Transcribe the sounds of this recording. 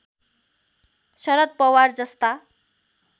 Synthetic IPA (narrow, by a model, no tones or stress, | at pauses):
ɕʌɾət̪̚pʌwaɾd͡zʌst̪a